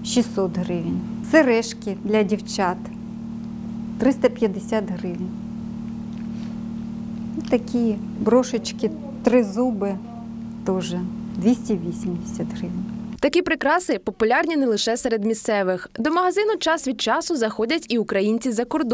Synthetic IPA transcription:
ʃʲisɔt̪ɦɾɪʋnʲsɛɾɛʃkʲɪd̪lʲɐdʲiwt͡ʃɑt̪ | t̪ɾɪst̪ɐpʲjɐd̪ɪsʲat̪ɦɾɪʋnʲ | t̪ɐkʲi | bɾɔʃɪt͡ʃkɪ | t̪ɾɪzubɪ | t̪ɔʒɛd̪ʋʲisʲtʲiʋʲisʲimd̪ɪsʲat̪ɦɾɪʋnʲt̪ɐkʲipɾɪkɾɑsɪpɔpʊlʲɑrnʲinɛlˠɪʃɛsɛɾed̪mʲist̪sɛʋɪxd̪ɔmɐɦɐzɪnʊt͡ʃɑsʋʲid̪̚t͡ʃɑsʊzɐxɔdʲɐtʲiʊkɾɐjinʲt͡sʲizɐkɔrd̪

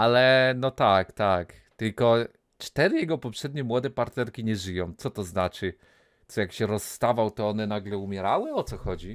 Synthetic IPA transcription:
alɛnɔt̪akt̪ak | t̪ɘlkɔ | t͡ʂt̪ɛɾɘjɛɡɔpɔpʂɛd̪ɲɛmwɔd̪ɛpaɾt̪ɛɾkʲiɲɛʐɘjɔ̃w̃t̪sɔt̪ɔznat͡ʂɘ | t̪sɔjakɕɛɾɔsːt̪avawt̪ɔɔnɛnaɡlɛumʲjɛɾawɘɔt̪sɔxɔd͡ʑi

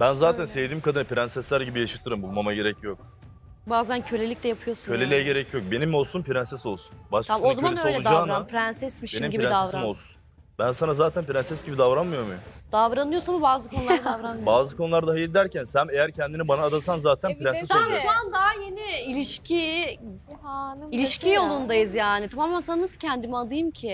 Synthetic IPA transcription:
bænzaːt̪ʰænsevd̪iːmkʰad̪ɯnɯpiɾænsɛslʲæɾɟibijaʃɯt̪ʰɯɾɯmbulˠmamaɟe̞ɾɛcʰjok̚ | baːzæncʰølʲe̞lʲic̚lʲɛjapʰɯjo̞sunʰølʲelʲejɛɟe̞ɾɛcʰjo̞k̚be̞nimo̞lˠsunpiɾænsɛso̞lˠsu̥nbaʃk̪aozamannøojlʲɛud̪d͡ʒaːnɾapʰɾɛnsɛsmiʃenimɟiiɾɛd̪avsɾamolˠsun | bænsanazaːt̪ʰænpiɾænsɛsɟibid̪avɾanmɯjo̞ɾmujmd̪̥avɾanɯjosnamubaːzɯkʰo̞nulˠɾad̪avɾanbaːzɯkʰo̞nulˠaɾd̪aɦajilʲd̪æɾcʰænsænejæɾcʰɛnd̪inibanaːd̪asanzaːt̪ʰænɾɛnɛsoamʃuand̪aɦajeniilʲiʃcʰi | ilʲiʃcʰijo̞lˠund̪ajɯzjaːnit̪ʰamaːmænsannɯsɯ̥cʰɛnd̪imiad̪ɯjɯmcʰɪ

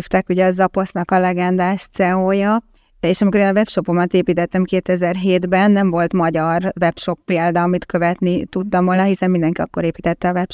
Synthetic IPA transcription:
ft̪ɛkuɟɛɒzɒpo̞snɒkɒlɛɡɛnd̪aːʃt̪sɛoːjɒ | eːʃɒmikoɾeːnɒvɛpʃo̞po̞mɒt̪eːpiːt̪ɛt̪ːɛmkeːt̪ɛzɛrɦeːd̪bɛnːɛɱvo̞lt̪mɒɟɒrvɛpʃo̞pːeːld̪ɒɒmit̪kø̞vɛt̪nit̪ut̪ːɒmvoːlnɒɦisɛmind̪ɛŋkiɒkːo̞ɾeːpiːt̪ɛt̪ːɛɒvɛp

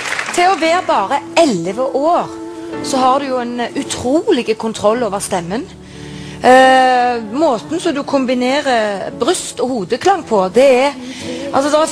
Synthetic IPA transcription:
t̪ʰɪlɔʋeːɾbɑːɾəɛlʋəʔoːʁsɔhɑʁd̪ʉjʊɛnʉt̪ʰɾuːlɪɡəkʰʊnt̪ʰɾɔlːoːʋəʁst̪ɛmːən | moːt̪n̩sɔmd̪ʉkʰʊmbɪneːʁəbɾʏst̪ɔhuːd̪əkʰlɑŋːpʰɔd̪ɛɛ | ɑ̰lsɔd̪ɛɛ

